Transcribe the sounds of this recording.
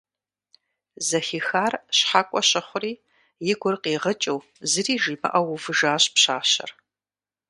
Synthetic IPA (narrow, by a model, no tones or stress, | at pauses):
zɐxiːxaːrɕħaːkʷʼɔɕɐχʷʊriː | jɪɡʷʊrqiːʁət͡ʃʼɐw | zɨriːʒiːbɐ̰ʔɐwʊvɨʒaːɕpɕaːɕɐ̰r